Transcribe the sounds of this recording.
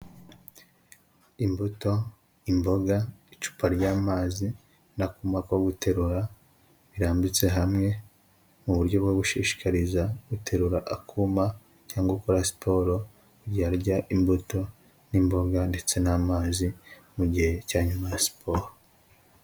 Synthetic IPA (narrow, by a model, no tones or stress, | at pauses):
imbuto̞ | imbo̞ɡait͡ʃu̥pʰaɾɟaːmaːzi | nakuːmakwoɡutʰe̞ɾuɾa | βiɾaːmbit͡se̞ɦamŋe̞ | muβuɾɟo̞bɡoɡuʃiːʃi̥kaɾizaɡutʰe̞ɾuɾaʔakʰuːma | caːŋɡwokoɾasi̥pʰo̞ːɾo̞ | ɟaɾɟaʔimbuto̞ | nimbo̞ɡande̞t͡se̞naːmaːzimuɟihe̞caːɲumajasi̥pʰo̞ːɾo